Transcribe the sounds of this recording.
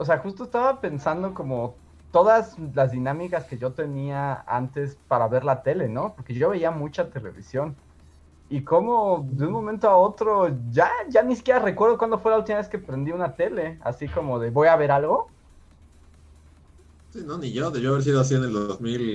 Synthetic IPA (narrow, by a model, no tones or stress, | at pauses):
os̬e̞axust̪oest̪aβape̞nsand̪oko̞mo | t̪o̞ðazlazðinãmikaske̞ʝot̪e̞niaa̰nt̪e̞spaɾaβe̞ɾlat̪e̞le̞no̞po̞ɾke̞ʝo̞βe̞iamut͡ʃat̪e̞le̞̰βḭsjo̞n | iko̞mo̞ðeunmo̞mẽnt̪oao̞t̪ɾo̞ʝaʝanisi̥kjeɾare̞kweɾðokwand̪o̞fwe̞lault̪imaβe̞skepɾend̪iunat̪e̞le̞a̰siko̞mo̞ðe̞βo̞jaβe̞ɾalɣo̞ | sinoniʝoðeʝoaβeɾs̬iðoas̬ieneld̪ozmil